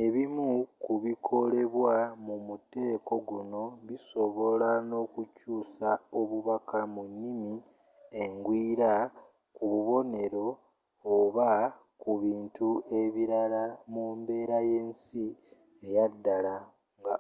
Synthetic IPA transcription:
e̞βimukuβikʰo̞le̞βwamumute̞ːko̞ɡuno̞βiso̞βo̞lano̞kucuːsao̞βuβakamunːimi | eŋɡwiːɾa | kuβuβo̞ne̞ɾo̞ː | βa | kuβiːntue̞βiɾalamuːmbe̞ːɾaje̞ɲsi | ejadːala | ŋɡa

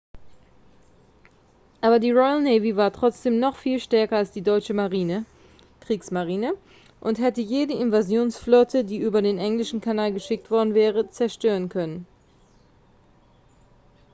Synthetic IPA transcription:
ʔaːbɐdiːʁɔʏəlneɪvivaːɐtʁ̥ɔt͡sd̥eːmnɔχfiːlʃtɛɐkɐalsd̥iːdɔʏt͡ʃəmʁinə | kʁ̥iːksmaʁiːnə | ʔʊnthɛtəjeːdəɪnvazjoːnsflɔtʰədiːʔyːbɐdeːnʔɛŋlɪʃn̩kʰanaːlɡəʃɪk̚tv̥ɔɐdn̩vɛːʁət͡sɛɐʃtøːʁənkʰœnən

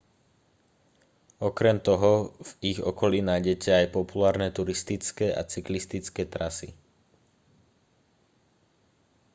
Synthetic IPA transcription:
ɔkɾɛmt̪ɔɦɔviɣɔ̰kɔliːnajɟɛcɛajpɔpulaːɾnɛt̪uɾist̪it͡skɛːʔa̰t͡siklist̪it͡skɛːt̪ɾasi

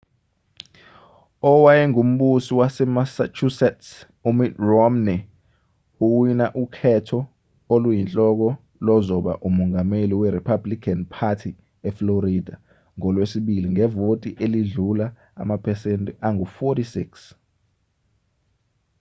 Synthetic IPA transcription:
ɔwajɛŋum̩ɓusiwasɛmasat͡ʃʰusɛts | umirɔmnɛ | uwwinaʔukʰɛtʰɔ | olujint͡ɬʼɔk̬ɔ | lɔzɔɓa̰ʔumɔŋameliwɛɾipʰablikʰanpʰatʰi | ɛfloɾidʱa | ŋɔlwesiɓiliŋɛvotʼiʔeliɮula | a̰mapʰɛsentʼɛʔaŋufɔtisiks

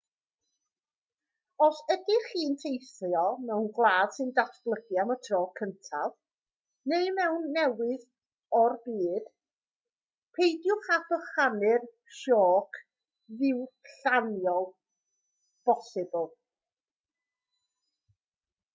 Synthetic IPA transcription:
ɔsədɪχiːntʰejθjɔmɛwnɡlˠaːd̥sɨndatʰb̥lˠəɡjamɔtʰrɔːkʰəntʰav | neɨmɛwnːɛwɪð | ɔrbiːd̥ | pʰejdjʊχadɔχanɪr | ʃɔːkʰ | ðɪwɬanjɔlˠ | b̥ɔsɪblˠ

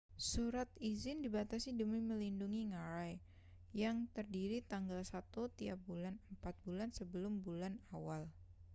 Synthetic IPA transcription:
suɾat̪izɪndibat̪asidəmiməlinduŋiŋaɾaj | jaŋt̪ərdiɾit̪aŋɡalsat̪ut̪iap̚bulanəmpat̪̚bulansəbəlʊmbulanawal

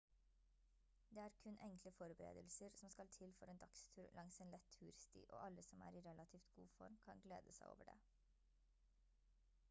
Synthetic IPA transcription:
d̪eːæːɾkʰʉnʔɛŋkləfɔɾbəɾḛːd̪əlsəɾsɔmskɑlt̪ʰɪlfɔɾeːnd̪ɑkst̪ʰʉːɾlʔɑŋseːnlɛt̪ʰːʉːɾst̪ḭːʔo̰ːʔɑləsɔmæ̰ːɾiɾɛlɑt̪ʰiːft̪ɡ̥uːfɔ̰ɾmkʰɑnɡlḛːd̪əsæɪʔo̰ːʋəɖḛː

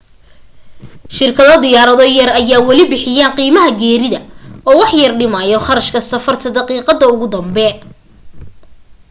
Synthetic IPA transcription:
ʃɪrkʰɐðɔd̪ɪjaːɾɐðɔjɐrɐjaːwɐlɪbɪħɪjaːnqiːmɐɦɐɡɛːɾɪðɐɔːwɑħjɐrɖɪmɐjɔχɑɾɐʃkʰɐsɐfɐrt̪ʰɐd̪ɐqiːqɑd̪ɐʊɣʊd̪ɐmbɛ

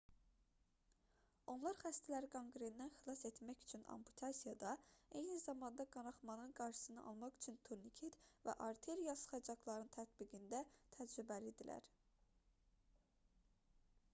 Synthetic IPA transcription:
o̞nlˠɑɾχæst̪ʰælæɾiɡʰoŋɡɾend̪ænxilˠɑse̞t̪mæçy̥t͡ʃʰynɑ̰mpʰu̥t̪ʰɑsijɑd̪ɑe̞jnizɑmɑnd̪ɑɡɑnɑχmɑnɯnɡɑɾʃɯ̥sɯnɯʔɑ̰lˠmɑχy̥t͡ʃʰynt̪ʰuɾnicʰet̪væ̰ʔɑɾt̪ʰe̞ɾjɑsχɑd͡ʒɑklˠɑɾɯnt̪ʰæt̪biɡind̪æt̪ʰæd͡ʒɾybælid̪ilæ̰ɾ

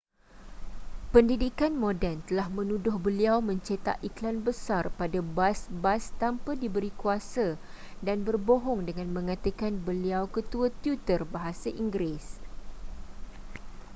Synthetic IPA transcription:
pəndidikanmodɛnt̪əlahmə̃nũdʊhbəliawmə̃ɲt͡ʃet̪a̰ʔiklanbəsarpadabasbast̪ampədibəɾikuasa | danbərboɦɔŋdəŋãnmə̃ŋãt̪əkanbəliawkət̪uat̪jut̪ərbaɦasaʔiŋɡɾes

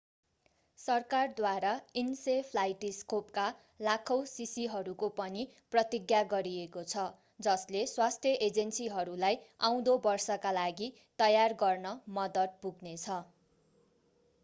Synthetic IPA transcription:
sʌrkard̪waɾainsepʰlajʈiskop̚ka | lakʰʌwsisiɦʌɾukopʌniprʌt̪iɡjaɡʌɾiekot͡sʰʌ | d͡zʌsleswast̪ʰjʌʔed͡zensiɦʌɾulajãw̃d̪obʌrsʌkalaɡi | t̪ʌjarɡʌrnʌmʌd̪ʌt̪̚puɡnet͡sʰʌ

